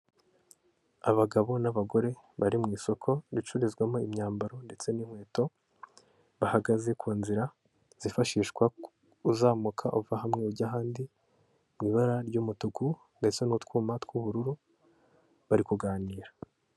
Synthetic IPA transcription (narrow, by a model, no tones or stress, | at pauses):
aβaɡaβo̞naβaɡo̞ɾe̞ | βaɾimŋiːso̞kʰo̞ɾit͡ʃuɾizɡwamoimɲaːmbaɾo̞nde̞t͡se̞niŋ̥we̞ːto̞ | βahaɡaze̞kʰuːnziɾa | z̥ifaʃiːʃkwa | uzaːmukʰaʔuvahamŋeuɟaɦaːndi | mŋiːβaɾaɾɟuːmutuɡu | nde̞t͡se̞nutkuːmatkuβuɾuɾu | βaɾikuɡaːniːɾa